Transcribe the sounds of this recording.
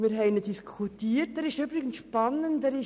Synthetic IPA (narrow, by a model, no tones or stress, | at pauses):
miːɾɦɛɪnətd̥iskʰutiːt̚dɛɾɪʃybɾɪɡən̩tʃpɑnəntdɛɾɪ